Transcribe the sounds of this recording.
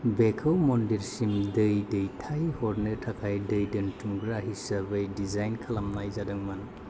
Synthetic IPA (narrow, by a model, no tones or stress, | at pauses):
bekʰawmɔndiɾsimdɯjdɯjtʰajhɔɾnɯtʰakʰajdɯjdɯntʰuŋɡɾaɦisɐɾbejdizajnkʰalamnajzadɯŋman